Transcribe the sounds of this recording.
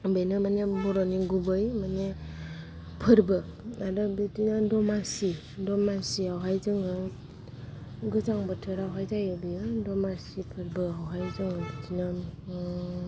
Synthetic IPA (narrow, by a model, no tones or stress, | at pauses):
benɯmanebɔɾɔniɡubɯjmane | pʰɯɾbɯadɯbetinadɔmasi | dɔmasiawɦajzɯŋɯ | ɡɯzaŋbɯtʰɯɾawɦajzajɯbijɯdɔmasipʰɯɾbɯawɦajzɯŋɯbitʰinɯ